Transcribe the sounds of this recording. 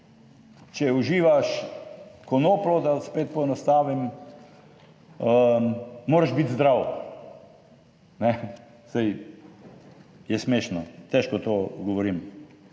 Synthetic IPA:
t͡ʃɛuʒiːʋaʃ | kɔnoːplɔd̪aspeːt̪̚pɔɛnast̪aːʋim | əmoːɾaʒbit̪zd̪ɾaw | nɛ | saj | jɛsmeːʃnɔt̪ɛʃkɔt̪oːɡɔʋɔɾim

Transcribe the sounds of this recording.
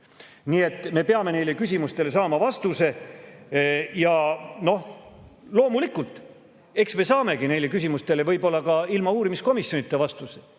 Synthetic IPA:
niːe̞t̪ːme̞pe̞ɑme̞ne̞jle̞kys̬ʲimust̪e̞le̞s̬ɑːmɑvɑst̪use̞ | jɑno̞hlo̞ːmulikːˑult̪ˑ | e̞ksme̞sɑːme̞ɡine̞jle̞kysʲimust̪e̞levɤjbo̞lːɑkɑilmɑuːɾimisko̞misjo̞nit̪ːˑevɑst̪use̥

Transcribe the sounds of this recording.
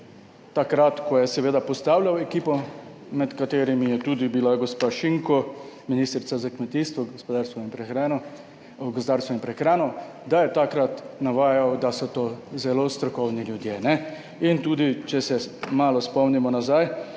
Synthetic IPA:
t̪akɾat̪kɔjɛsɛʋeːd̪apɔst̪aːwlʲjawɛkiːpɔ | mɛt̪kat̪eːɾimijɛt̪uːd̪ibilaɡɔspaʃiŋkɔminist̪ɾt̪sazakmɛt̪iːst̪ʋɔɡɔspɔd̪aːɾst̪ʋɔimpɾɛxɾanɔ | ɡɔspd̪aːɾst̪ʋɔimpɾɛxɾaːnɔ | d̪ajɛt̪akɾat̪naʋaːjawd̪asɔt̪ozɛlost̪ɾɔkɔwnilʲjud̪jenɛ | int̪uːd̪it͡ʃɛsɛmaːlɔspɔmnimɔnazaj

